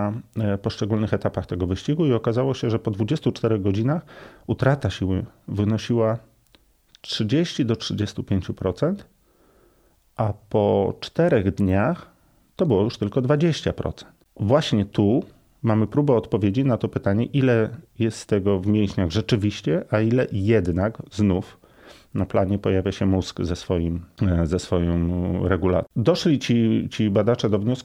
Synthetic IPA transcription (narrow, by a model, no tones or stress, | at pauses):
pɔʂt͡ʂɛɡulnɘxɛt̪apaxt̪ɛɡɔvɘɕt͡ɕiɡuiɔkazawɔɕɛʐɛpɔd̪vud͡ʑest̪ut͡ʂt̪ɛɾɛɣɡɔd͡ʑinaxut̪ɾat̪aɕiwɘvɘnɔɕiwa | tʂɘd͡ʑeɕt͡ɕid̪ɔtʂɘd͡ʑest̪upʲjeɲt͡ɕupɾɔt̪sɛnt̪ | ʔapɔt͡ʂt̪ɛɾɛɣd̪ɲax | t̪ɔbɘwɔjuʂt̪ɘlkɔd̪vad͡ʑeɕt͡ɕa̰pɾɔ̰t̪sɛ̥nt̪vwaɕɲɛt̪u | mamɘpɾubɛɔt̪pɔvʲjed͡ʑinat̪ɔpɘt̪aɲɛʔilɛjɛst̪t̪ːɛɡɔvmʲjejɕɲaɣʐɛt͡ʂɘvʲiɕt͡ɕɛʔailɛjɛd̪naɡznuf | naplaɲɛpɔjavʲjaɕɛmusɡzɛsfɔjimzɛsfɔjɔmɾɛɡula̰d̪ɔʂlʲit͡ɕit͡ɕibad̪at͡ʂɛd̪ɔvɲɔsku